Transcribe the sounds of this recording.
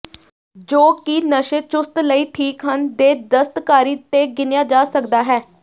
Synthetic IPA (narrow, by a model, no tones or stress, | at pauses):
d͡ʒoːkinəʃeːt͡ʃʊst̪ləiːʈʰiːkɦənd̪eːd̪əst̪kaːɾiːt̪eːɡɪnjaːd͡ʒaːsəkd̪aːɦɛː